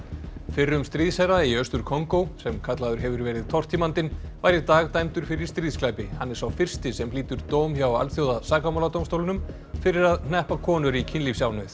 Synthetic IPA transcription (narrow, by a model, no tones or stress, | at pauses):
fɪrːʏmst̪ɾiːðsɛɾaiœst̪ʏɾkʰɔŋkowsɛmkʰat̪laðʏɾ̥ɦɛvʏɾvɛːɾɪðt̪ʰɔr̥t̪ʰimant̪ɪnvajɾɪt̪aːɣt̪ajmt̪ʏɾ̥fɪɾɪɾi̥st̪ɾiːðsklaːjpɪhanːɛɾ̥sawfɪr̥st̪ɪsɛmliːt̪ʏɾt̪oːwmçjawa̰lθjowðasaːkamawlat̪owmst̪owlʏnʏm | fɪɾɪɾaðnnɛhpakʰɔːnʏɾicʰɪnlifsjaːwnœθ